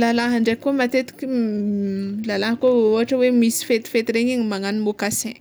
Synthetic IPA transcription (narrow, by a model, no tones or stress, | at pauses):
lalaɦaɳɖ͡ʐekːomat̪et̪kʲi | lalaɦəkooaʈ͡ʂəwemisi̥fet̪fet̪iɾeɲiŋimaŋanmokasẽ